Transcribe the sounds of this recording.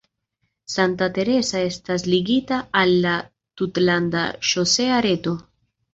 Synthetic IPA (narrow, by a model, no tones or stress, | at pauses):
santate̞ɾe̞sae̞stas̬liɡitaːlːa | tutlanda̰ʃo̞se̞aɾe̞to̞